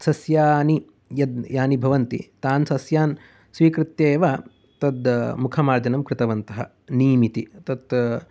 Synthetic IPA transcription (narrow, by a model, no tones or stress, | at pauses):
sɐsjaːni | jɐd̪jaːnibʱɐʋɐnt̪ḭt̪aːnsɐsjaːn | sʋiːkɾɪt̪jeːʋa | t̪ɐd̪mukʰɐmaːɾd͡ʒɐnɐmkɾɪt̪ɐʋɐnt̪ɐɦɐ̰ | niːmit̪it̪ɐt̪